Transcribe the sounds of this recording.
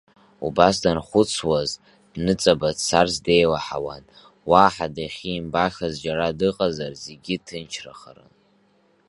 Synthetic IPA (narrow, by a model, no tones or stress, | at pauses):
ubasdanχʷʊt͡sʰwaz | dnɨt͡sʼabadsarsdejwaħawa̰n | waːħadaχʲiːmbaxʲazd͡ʒaɾadɨqʼazarzeɡʲitʰɨnt͡ʃʰraχarɨ̰n